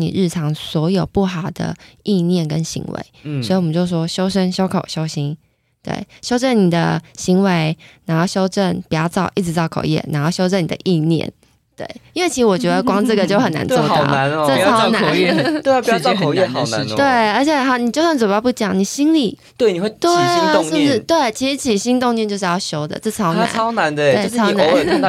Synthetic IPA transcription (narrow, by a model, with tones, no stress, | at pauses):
nḭ˨˩ɻɻ̩˥˩ʈ͡ʂʰɑ˧˥ŋswɔ˧˥jo˨˩ʊpu˥˩xɑ˨˩ʊd̪ə̰˦i˥˧njɛ˥˩nkə˦˥nɕḭ˧˥ŋwḛ˧˦ɪsswi˧wmə˦ɲt͡ɕo˥˩ʊʂwɔ˥ɕjo˥ʊʂə˥nɕjo˥ʊkʰo˨˩ʊɕjo˥ʊɕi˥n | t̪wḛ˥˩ɪɕjo˥ʈ͡ʂə˥˩nni˨˩d̪ə˦ɕi˧˥ŋwe˧˥ɪna˧˥nxo˥˩ʊɕjo˥ʊʈ͡ʂə˥˩npjɑ˥t͡sɑ˥˩ʊʔi˥˩ʈ͡ʂɻ̩˧˥t͡sɑ˥˩ʊkʰo̰˨˩ʊjɛ̰˥˩na˧˥nxo˥˩ʊɕjo˥ʊʈ͡ʂə˥˩ni˨d̪ə̰˦˧ʔi˥˧njɛ̰˥˩˨n | t̪wḛ˥˩ɪi˥nwe˥˩ɪi˧˥ɻ̩˧wɔ˨˩t͡ɕɥɛ˧˥d̪ə˧kwɑ˥ŋʈ͡ʂə˥˩ɡə˩t͡ɕjo˥˩ʊxə˨˩na̰˧˦nt͡swɔ˥˧˨na˧˦n˧ə˥˩ɑ˥ʊna˧˦˧n˥t̪e˥˧˥pjkʰo˨˩jɛ˥˧xɑ˨˩ʊna̰˧˦nt̪we˥˩ɪə˞˧˥t͡ɕʰjɛ˨˩˥ɑ˥˩ni˨˩t͡ɕo˥˧ʊɕjt͡swp̬u˥˩t͡ɕjɑ̰˨˩˦ŋni˨˩ɕi˥nlḭ˨˩ | t̪we˥˩ɪni˨˩we˥˧t̪we˥˩ɪ˥ʂ̩˧˥˩bu˨˩ʂɻ̩˥t̪we˥˩ɪt͡ɕʰi˧˥ʂɻ̩˧˥t͡ɕʰi˨˩ɕi˥ŋt̪ʊ˥˧ŋɛ˥˧t͡ɕo˥˧ʊʂ̬ɻ̩˥˧jɑ˥˧ʊɕjo˥ʊd̪ə̰˨t͡s̩˥˩t͡sʰɑ˥ʊn̰˥˧˦ɑ˥ʊna˧˦nt̪e˥˧˩we˥˩˥ɑ˥ʊna˧˥˦